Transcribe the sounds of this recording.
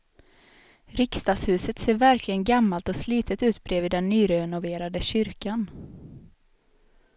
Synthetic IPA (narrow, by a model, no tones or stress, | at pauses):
ɾɪkst̪ɑːɡshʉ̟ːsət̪seːɾvæɾkʰlɪɡənɡamːalt̪ɔsliːt̪ʰət̪ʉ̟ːt̪bɾeːvɪːd̪ɛnːyːɾɛɛnʊveːɾad̪əɕʏɾkan